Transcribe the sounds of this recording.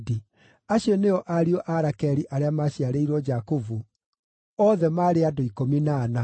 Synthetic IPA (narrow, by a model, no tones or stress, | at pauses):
di | aɕiɔneɔʔaɾiɔʔaɾakɛɾiʔaɾeamaɕiaɾeiɾwɔd͡ʒakovu | ɔːðɛmaɾeadoikominaːna